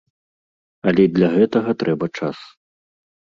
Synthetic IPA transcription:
ɐlʲɛid̪lʲaɣɛt̪ɐɣɐt̪ɾʔɛbɐt͡ʂas

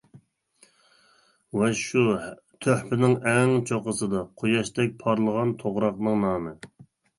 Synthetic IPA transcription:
wɛʃu | t̪ʰøħpɪnɪŋɛŋt͡ʃʰoqəsɨd̪ɑqʰojɑʃt̪ɛk̚ʲpʰɑɾlˠəʁɑnt̪ʰoʁɾɑqnɨŋnɑːmɨ

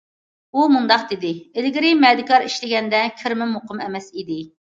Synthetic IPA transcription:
umund̪ɑq̚d̪ɪd̪ɪelɡʲɪɾɪmɛd̪ɪkʰɑɾiʃlɪɡʲɛnd̪ɛkʲʰɪɾmɪmoqʰəmɛmɛsid̪ɪ

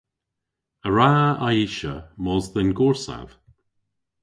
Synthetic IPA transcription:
əɹaajiʃə̰mɔzðənɡɔɹsa̰v̥

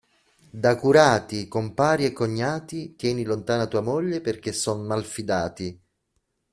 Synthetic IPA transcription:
d̪akuɾaːt̪ikompaːɾiekːoɲːaːt̪it̪jɛːnilont̪aːnat̪uːamoʎːeperk̟esːɔnmalfid̪aːt̪i

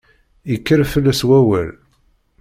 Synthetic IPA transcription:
ikːəɾfəlːæswæwæl

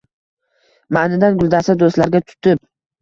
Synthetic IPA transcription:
manɪd̪anɡʊlˠd̪asad̪ost̪laɾɡʲat̪ʰʊ̥t̪ʰɪp̚

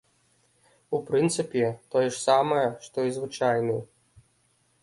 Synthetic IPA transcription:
upɾɨnt̪sɨpʲit̪ɔjɛʂsamɐjɐʂt̪ɔjizvɨt͡ʃajnɨj

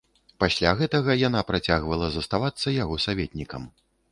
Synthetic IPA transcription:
pasʲlʲaɣɛt̪ɐɣɐjanapɾat͡sʲaɣvɐlˠɐzɐst̪avat̪sːɐjaɣɔsavʲɛt̪ʲnʲikɐ̰m

